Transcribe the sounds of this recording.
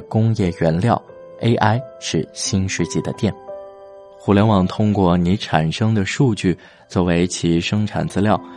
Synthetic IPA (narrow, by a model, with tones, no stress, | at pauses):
kʊ˥ŋjɛ˥˩ɥɛ˧˥nljɑ˥˩ʊ | e˥ɪʔa˥ɪʂɻ̩˥˩ɕi˥nʂɻ̩˥˧t͡ɕi˥˩d̪ə˩t̪jɛ˥˩n | xu˧˥ljɛ˧˥nwɑ˨˩ŋt̪ʰʊ˥ŋkwɔ˥˩ni˧˥ʈ͡ʂʰa˨˩nʂɤ˥ŋd̪ə˨ʂu˥˧t͡ɕy˥˩ | t͡swɔ˥˨˩we˧˥ɪt͡ɕʰi˧˥ʂɤ˥ŋʈ͡ʂʰa̰˨˩nt͡sɹ̩˥ljɑ˥˩ʊ